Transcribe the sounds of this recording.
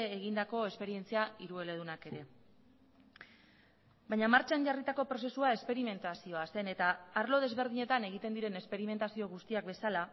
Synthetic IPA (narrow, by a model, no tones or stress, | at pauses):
ɣind̪ako̞e̞spe̞ɾie̞nt͡siaiɾue̞le̞ð̞unake̞ɾe̞ | bajɲamaɾt͡ʃanʝarit̪ako̞pɾo̞se̞suae̞spe̞ɾime̞nt̪asio̞ase̞ne̞t̪aːɾlo̞ð̞e̞zβe̞ɾð̞iɲe̞t̪ane̞ɣ̞it̪end̪iɾe̞ne̞spe̞ɾime̞nt̪asio̞ɣust̪iak̚be̞sala